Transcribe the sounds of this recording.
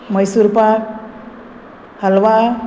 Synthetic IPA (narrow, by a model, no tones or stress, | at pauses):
mʌjsuɾpa | hʌlwa